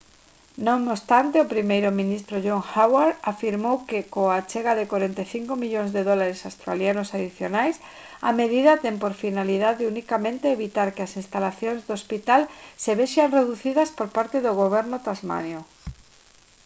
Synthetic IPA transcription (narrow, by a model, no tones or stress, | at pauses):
nõŋnost̪ant̪eopɾimejɾʊmĩnist̪ɾoʝoŋxawaɾafiɾmowkekoat͡ʃeɣaðekwaɾent̪eθiŋkomiʎoŋzðeðɔlaɾesast̪ɾa̰ljanʊsaðiθjonajsa̰meðiðɐt̪ɛmpoɾfinalið̞aðeunikamẽnt̪eːβit̪aɾkeasĩnst̪alaθjoŋzðospit̪alseβeʃaŋreðuθiðɐspoɾpaɾt̪eðoɣoβɛɾnʊt̪azma̰njo